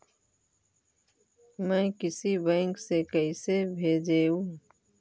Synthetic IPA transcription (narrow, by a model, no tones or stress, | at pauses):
mɛ̃ːkɪsibɛ̃ːŋksekəisebʱeːd͡ʒeːũ